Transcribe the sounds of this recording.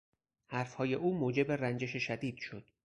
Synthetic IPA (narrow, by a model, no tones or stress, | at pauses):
hæɾfhɒːje̞ʔuːmoːd͡ʒe̞be̞rænd͡ʒe̞ʃeʃæd̪iːd̪̥ʃo̞d̪̥